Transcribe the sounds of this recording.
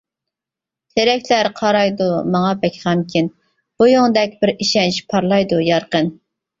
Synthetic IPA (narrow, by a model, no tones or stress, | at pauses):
t̪ʰeɾɛkʲlæɾqʰɑɾɑjd̪umɑŋɑbɛkʲʰʁʰɑmkʲʰin | b̥ujoŋd̪ɛkʲbɪɾiʃɛnt͡ʃpʰɑɾlˠɑjd̪ujɑɾqən